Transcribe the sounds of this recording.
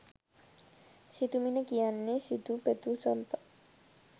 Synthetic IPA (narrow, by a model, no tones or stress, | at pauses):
sit̪uminəkijanːesit̪upet̪usɔnt̪ə